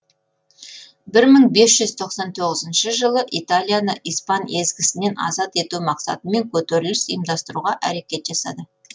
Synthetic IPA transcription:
bɪɾməɴbe̞sʒ̥ʏz̥t̪ʰo̞qsɑnt̪ʰo̞ʁəzɪnʃəʒəlˠəʔit̪alʲˠijanəʔijspɑne̞zɡʲɪsɪne̞nʔɑ̰zɑt̪e̞t̪umɑqsɑ̰t̪əme̞ŋkʲʰɵt̪eɾɪlɪsijmd̪ɑst̪əɾuʁɑʔæɾe̞kʲe̞t̪ʒɑsɑ̰d̪ə

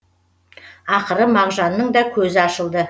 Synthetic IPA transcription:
ɑqəɾəmɑʁʒɑnːəɴd̪ɑkʲʰɵzɪɑʃəlˠd̪ə

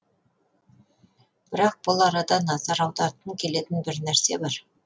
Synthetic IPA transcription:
b̥ɪɾɑq̚b̥ʊlˠɑɾɑd̪ɑnɑzɑɾɑwd̪ɑɾt̪əŋkʲʰe̞le̞t̪ɪnbɪɾnæɾse̞bɑɾ

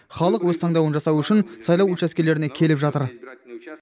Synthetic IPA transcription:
χɑlˠəqwɵzt̪ʰɑɴd̪ɑwənʒɑsɑwʏʃɪnsɑjlˠɑwut͡ʃæskʲe̞le̞ɾɪne̞kʲʰe̞lɪpʒɑt̪əɾ

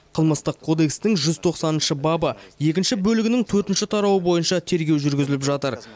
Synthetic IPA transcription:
qʰəlˠməst̪əqʰːo̞d̪e̞kst̪ɪŋʒʏzt̪ʰo̞qsɑnənʃəbɑbəje̞kʲɪnʃɪbɵlɪɡʲɪnɪŋt̪ʰɵɾt̪ɪnʃɪt̪ʰɑɾɑwəbo̞jənʃɑt̪ʰe̞ɾɡʲewʒʏɾɡʲɪzɪlɪpʒɑt̪əɾ

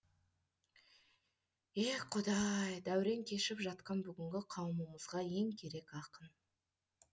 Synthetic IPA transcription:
eqʰʊd̪ɑjd̪æwɾe̞ŋkʲʰe̞ʃɪpʒɑt̪̚qɑnbʏɡʲɪŋɡʲɪqʰɑwəməməzʁɑje̞ŋkʲʰe̞ɾe̞kɑqən

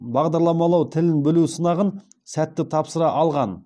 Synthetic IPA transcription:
bɑʁd̪ɑɾlˠɑmɑlˠɑwt̪ʰɪlɪnbɪlusənɑʁən | sæt̪ːɪt̪ʰɑpsəɾɑʔɑlˠʁɑn

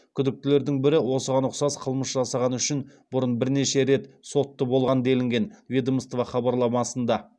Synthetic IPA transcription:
kʲʰʏd̪ɪk̚t̪ɪle̞ɾd̪ɪŋbɪɾɪwo̞səʁɑnʊqsɑsqʰəlˠməsʒɑsɑʁɑnʏʃɪn | bʊɾənbɪɾne̞ʃe̞ɾe̞t̪so̞t̪ːəbo̞lˠʁɑnəd̪e̞lɪŋɡʲe̞nvʲid̪oməst̪vɑχɑbɑɾlˠɑmɑsənd̪ɑ

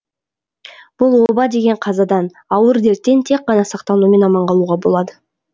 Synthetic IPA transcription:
b̥ʊlˠwo̞bɑd̪e̞ɡʲe̞ɴqʰɑzɑd̪ɑn | ɑwəɾd̪e̞ɾt̪ːe̞nt̪ʰe̞k̚qːɑnɑsɑqt̪ɑnume̞nɑmɑɴʁɑlˠuʁɑbo̞lˠɑd̪ə

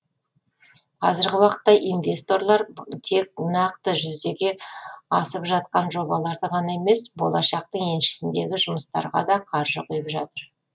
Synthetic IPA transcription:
qʰɑ̰zɪɾɡʲɪwɑqə̥t̪ːɑʔinvʲe̞st̪o̞ɾlˠɑɾt̪ʰe̞k̚nɑqt̪əʒʏzd̪e̞ɡʲe̞ɑsəpʒɑt̪̚qɑnʒo̞bɑlˠɑɾd̪əʁɑnɑeme̞sbo̞lˠɑʃɑq̚t̪əɴe̞nʃɪ̥sɪnd̪e̞ɡʲɪʒʊməst̪ɑ̰ɾʁɑ̰d̪ɑqʰɑɾʒəqʰʊjəpʒɑt̪əɾ

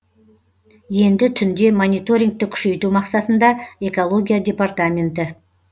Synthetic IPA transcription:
je̞nd̪ɪt̪ʰʏnd̪e̞monijt̪o̞ɾʲiŋk̚t̪ɪkʲʰʏ̥ʃe̞jt̪umɑqsɑt̪ənd̪ɑe̞ko̞lˠo̞ɡʲijadʲe̞part̪amʲe̞nt̪ɪ

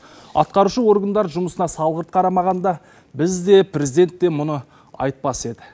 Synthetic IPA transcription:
ɑ̰t̪̚qɑɾuʃəwo̞ɾɡənd̪ɑɾʒʊməsənɑsɑlˠʁəɾət̪̚qʰɑɾɑmɑʁɑnd̪ɑ | bɪzd̪e̞prʲe̞zid̪e̞nt̪ːe̞mʊnə | ɑ̰jt̪̚pɑse̞d̪ɪ

